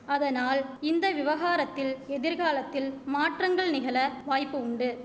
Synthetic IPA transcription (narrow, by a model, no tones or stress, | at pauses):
ɐðɐnaːlɪnd̪ɐʋɪʋɐɣaːɾɐt̪ːɪlɛðɪɾɣaːlɐt̪ːɪlmaːʈrɐŋɡɐɭnɪɣɐlɐʋaːjpːɯʊɳɖɯ